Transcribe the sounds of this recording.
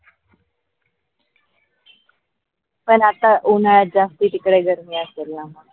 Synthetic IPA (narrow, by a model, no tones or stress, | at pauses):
pəɳat̪aʔunaɭat̪̚d͡zast̪iːʈ̪ikɽeɡʱəɾmiːəselnaɦa